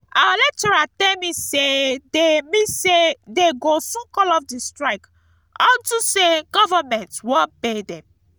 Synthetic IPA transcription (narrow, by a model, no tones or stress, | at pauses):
aalɛk̚tɔɹatɛ̃misedemisedeɡosũkɔlɔfdistɹaɪk | ɔntuseɡɔvamɛ̃ntwɔ̃pedɛ̃m